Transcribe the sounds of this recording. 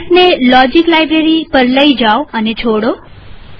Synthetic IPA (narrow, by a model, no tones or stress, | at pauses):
ʈnelɔd͡ʒiklajbɾeɾipəɾləid͡ʒaoənet͡ʃʰoɽo